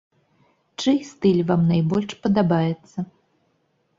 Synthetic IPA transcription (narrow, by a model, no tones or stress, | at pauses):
t͡ʂɨjst̪ɨlʲvamnajbɔlʲʂpɐd̪abajɛt̪sːɐ